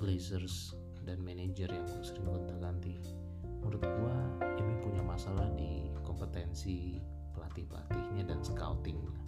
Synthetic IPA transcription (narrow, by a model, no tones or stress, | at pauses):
pəlezərs | danmened͡ʒərjaŋ | səɾiŋbunt̪aɡant̪i | muɾʊt̪̚ɡuaimipuɲamasalahdikɔmpət̪ɛnsi | pəlat̪ɪhpəla̰t̪ɪhɲadansə̥ka̰ut̪ɪŋɲa